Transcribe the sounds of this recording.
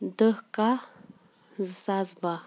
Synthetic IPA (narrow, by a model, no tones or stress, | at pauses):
d̪əhka | zsazba